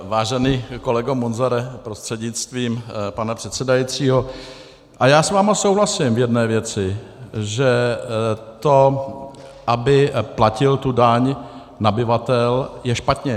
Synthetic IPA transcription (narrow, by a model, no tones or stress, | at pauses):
vaːʒɛniːko̞lɛɡomonzaɾɛpɾost̪r̥ɛdɲɪt͡st̪viːmpanapr̝̥ɛt̪sɛdajit͡siːɦo̞ | ʔajaːsvaːmasowɦlasɪmvjɛdnɛːvjɛt͡sɪʒɛ | t̪o̞ | ʔabɪplacɪlt̪udaɲ | nabɪvat̪ɛljɛʃpat̪ɲɛ